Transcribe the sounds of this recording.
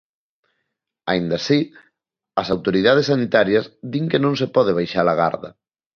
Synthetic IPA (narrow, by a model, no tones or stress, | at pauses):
a̰ind̪ɐsi | ɐsawt̪oɾiðað̞esːanit̪aɾjɐzðiŋkenõŋsepɔð̞eβ̞ajʃalaɣa̰ɾðɐ̰